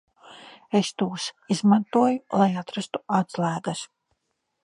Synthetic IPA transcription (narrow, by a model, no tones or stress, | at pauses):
est̪uːsizmant̪uɔjulˠajat̪ɾast̪u̥at̪slæːɡas